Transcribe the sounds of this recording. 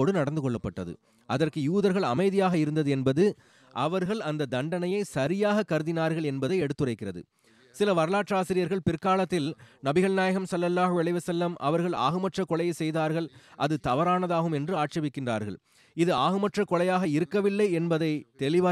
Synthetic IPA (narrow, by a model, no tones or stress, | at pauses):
oːɽɯnɐɽɐnd̪ɯkɔɭːɐpːɐʈːɐðɯ̰ | ʔɐðɐrkɯjuːðɐɾɣɐɭɐ̰mɐɪðɪjaːɣɐɪɾɯnd̪ɐðɯɛnbɐðɯ | ʔɐʋɐɾɣɐɭɐnd̪ɐd̪ɐɳɖɐnɐjɐɪsɐɾɪjaːɣɐkːɐɾɯðɪnaːɾɣɐɭɛnbɐðɐɪɛɽɯt̪ːɯrɐɪkːɪrɐðɯ̰ | sɪlɐʋɐɾɐlaːʈraːsɪɾɪjɐɾɣɐɭpɪrkaːlɐt̪ːɪlnɐbɪɣɐɭnaːjɐɣɐmsɐlːɐlːaːɦʊɐɭɐɪʋɐsɐlːɐmʔɐ̰ʋɐɾɣɐɭa̰ːɣɯmɐʈrɐkːɔɭɐjɐɪsɛjðaːɾɣɐɭʔɐðɯt̪ɐʋɐɾaːnɐðaːɣɯmɛndrɯaːʈt͡ʃɐʋɪkːɪndra̰ːɾɣɐ̰ɭ | ɪðɯaːɣɯmɐʈrɐkːɔɭɐjaːɣɐɪɾɯkːɐʋɪlːɐɪɛnbɐðɐɪt̪ɛlɪʋaː